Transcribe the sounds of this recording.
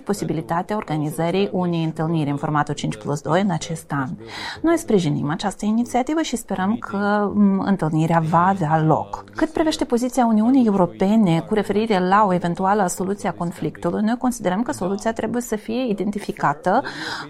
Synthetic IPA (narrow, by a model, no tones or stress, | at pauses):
po̞sibilit̪at̪eao̞rɡanizəɾijʔunejɨnt̪ɨlniɾʲɨnfo̞rmat̪ult͡ʃint͡ʃʲplusd̪o̞jɨnat͡ʃe̞st̪anno̞jspɾiʒinḭmat͡ʃast̪əinit̪siat̪ivəʃispe̞ɾʔəmkʰəɨ̰nt̪ɨlniɾeavaːvealo̞̰kkːɨt̪pɾive̞ʃt̪e̞po̞zit̪siauniunije̞uɾo̞pe̞ne̞kuɾe̞fe̞ɾiɾe̞lao̞e̞ve̞nt̪ualəso̞lut̪sieako̞nflikt̪ulujno̞jko̞nsid̪e̞ɾəmkəso̞lut̪siat̪ɾe̞buje̞səfije̞id̪e̞nt̪ifikat̪ə